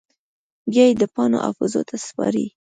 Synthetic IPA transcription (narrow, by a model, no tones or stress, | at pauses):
bjɑjed̪əpɑnoʔa̰fɪzot̪ʰaspɑɾḭ